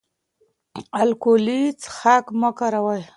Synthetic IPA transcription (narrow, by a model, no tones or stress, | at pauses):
alkolit͡sxakməkaɾawaj